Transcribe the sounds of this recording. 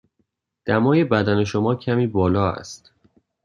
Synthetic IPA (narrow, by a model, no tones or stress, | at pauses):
d̪̥æmɒːje̞bæd̪æne̞ʃo̞mɒːcʰæmiːbɒːlɒːæ̰st̪